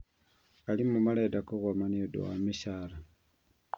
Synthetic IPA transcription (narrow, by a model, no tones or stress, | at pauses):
alimumaledakoɣomaniodṵwa̰miʃala